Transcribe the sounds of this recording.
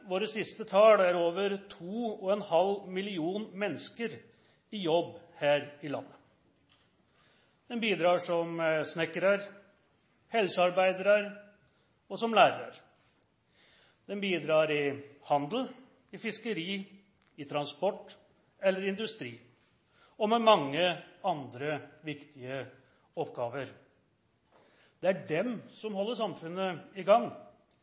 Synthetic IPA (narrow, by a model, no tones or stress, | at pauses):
ʋoːɾəsɪst̪ət̪ʰɑːlæɾoːʋəɾt̪ʰuːɔɛnhɑlmɪlɪuːnmɛnːəskəɾ | ɪjɔbːhæːɾɪlɑ̰nːə | d̪̥ɛnbiːd̪ɾɑːʂɔmsnɛkəɾəɾ | hɛlsəɑɾbæɪd̪əɾəɾ | ɔsɔmlæːɾəɾə̰ɾ | d̪̥ɛnbiːd̪ɾɑːɾɪhɑnd̪l̩ | ɪfɪskəɾiː | ɪt̪ʰɾɑnspɔʈː | ɛlːəɾɪɪnd̪ʉst̪ɾiː | ɔmɛmɑŋːəɑnd̪ɾəʋɪkt̪ɪə | ɔpɡɑːʋəɾ | d̪̥ɛæɖɛmsɔmɦɔlːəʂɑmfʉnːəɪɡɑŋː